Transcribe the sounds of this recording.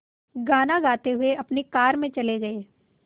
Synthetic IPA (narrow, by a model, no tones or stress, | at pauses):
ɡaːnaɡaːt̪eɦʊeʔɐpnekaːɾmẽt͡ʃɐleɡɐeː